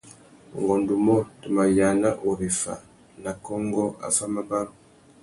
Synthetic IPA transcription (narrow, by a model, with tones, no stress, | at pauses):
ŋɡɔ˨ndu˨mɔ˦tu˨ma˨ja˨na˦ʔu˨ɾi˨fa̰˨ | na˨kɔ˦ŋɡɔ˦a̰˨fa˦ma˦ba˦lo˦